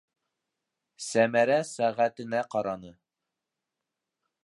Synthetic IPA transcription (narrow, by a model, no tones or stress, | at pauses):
sæmæɾæsæʁæt̪ɘ̆næqɑɾɑnɤ